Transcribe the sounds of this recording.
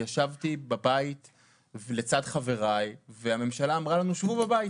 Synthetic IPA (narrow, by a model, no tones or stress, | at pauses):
jaʃavt̪ibabait̪ | le̞t͡sadχave̞ʁajveame̞mʃalaːmʁalanuʃvubabai